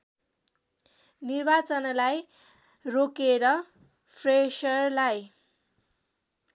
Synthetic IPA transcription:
nirbat͡sʌnlaj | rokeɾʌ | pʰresʌrlaj

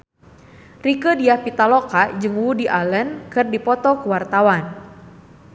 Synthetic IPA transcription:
rikədiahpit̪alɔkad͡ʒɨŋwudiʔalənkɨrdipɔt̪ɔkuwart̪awan

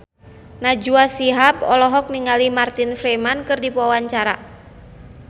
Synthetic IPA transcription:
nad͡ʒuasiɦapɔlɔɦɔk̚niŋalimart̪infɾemankɨrdipuawaɲt͡ʃaɾa

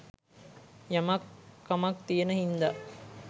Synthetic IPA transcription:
jamɐkːɐmɐk̚t̪ijenəhind̪aʔ

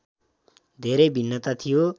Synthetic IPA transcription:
d̪ʱeɾejbʱinːʌt̪at̪ʰijo

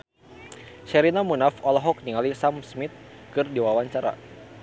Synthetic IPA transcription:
ʃɛɾinamunafɔlɔɦɔk̚niŋalisamsmit̪̚kɨrdiwawaɲt͡ʃaɾa̰

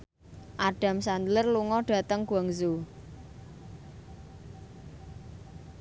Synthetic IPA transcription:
ʔaɖ̥a̤msand̪lərluŋɔɖ̥a̤t̪əŋɡ̥uaŋzu

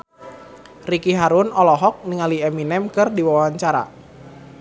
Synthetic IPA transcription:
rikiɦaɾʊnɔlɔɦɔk̚niŋaliɛminɛmkɨrdiwawaɲt͡ʃaɾa̰

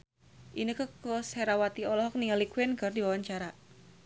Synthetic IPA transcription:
ʔinəkəkosheɾawat̪iɔlɔɦɔk̚niŋalikwɪnkərdiwawaɲt͡ʃaɾa

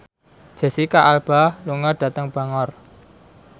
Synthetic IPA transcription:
ʒ̥ə̤sikaʔalb̥a̤hluŋɔɖ̥a̤t̪əŋb̥a̤ŋɔr

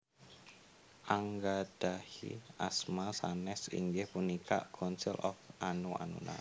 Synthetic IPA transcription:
ʔaŋɡad̪̥ahḭʔasmasanɛsḭŋɡɪhpunika̰ʔkʰɔnsɪlʔɔfʔanua̰nṵna̰

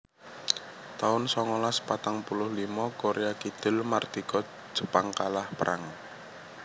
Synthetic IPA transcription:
t̪aʊnsɔŋɔlaspat̪aŋpulʊhlimɔkoɾʔeakid̪̥ɪ̤lmard̪̥i̤kɔ̥ | ʒ̥ə̤paŋkalahpəɾʔa̰ŋ

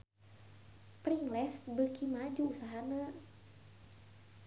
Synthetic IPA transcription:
priŋlɛsbəkimad͡ʒuːsaɦanə

